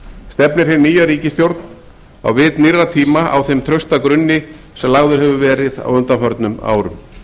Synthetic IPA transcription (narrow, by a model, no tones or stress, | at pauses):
st̪ɛpnɪɾ̥hɪnːiːjaɾiːcɪst̪jowɾt̪n | a̰wvɪːt̪nirːat̪ʰiːmaʔa̰wθejmt̪ʰɾœɥst̪akɾʏnːɪ | sɛmlaɣðʏɾ̥ɦɛvʏvɛːɾɪða̰wʏnt̪afœɾt̪nʏma̰ːwɾʏm